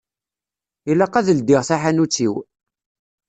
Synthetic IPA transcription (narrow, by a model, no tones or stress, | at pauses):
ilɑqːɑðəld̪iʁθaħanut͡sːiw